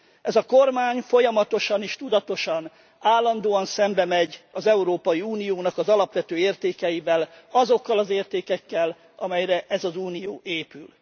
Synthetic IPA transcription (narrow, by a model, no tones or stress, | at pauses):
ʔɛzɒko̞rmaːɲfo̞jɒmɒt̪o̞ʃɒneːʃt̪ud̪ɒt̪o̞ʃɒn | aːlːɒnd̪oːɒnsɛmbɛmɛɟɒzɛuɾoːpɒjiuːnijoːnɒkɒzɒlɒpʋɛt̪øːeːrt̪eːkɛjivɛlɒzo̞kːɒlɒzeːrt̪eːkɛkːɛl | ʔɒmɛjrɛʔɛzɒzuːnijoːʔeːpyl